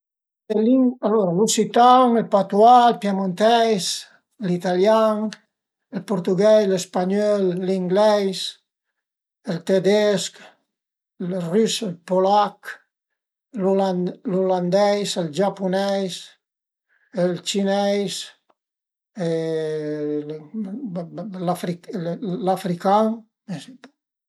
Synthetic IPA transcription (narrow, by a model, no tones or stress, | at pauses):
eliŋalɔɾalusit̪aŋelpat̪walpjamont̪ɛjs | lit̪aljaŋ | elpoɾt̪uɡɛjslespaɲɔlliŋɡlɛjs | əlt̪ed̪ɛsk | lryselpolak | lulaluland̪ɛjseld͡ʒapunɛjs | elt͡ʃinɛjs | e | l | lafɾiklafɾikaŋ | esip